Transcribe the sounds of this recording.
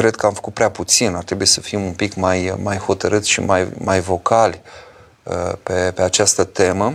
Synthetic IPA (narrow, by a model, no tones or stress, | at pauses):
kɾe̞d̪̚kəamfə̥kut̪̚pɾeaput̪sinat̪ɾe̞buje̞sə̥fimunpikmajmajho̞t̪əɾɨt̪sʃḭmajmajvo̞kalʲ | əpe̞peat͡ʃast̪ət̪e̞mə